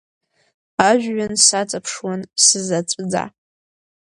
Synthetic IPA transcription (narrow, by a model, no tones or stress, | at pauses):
aʒᶣɥansat͡sʼapʰʂwansɨzat͡sʼd͡za̰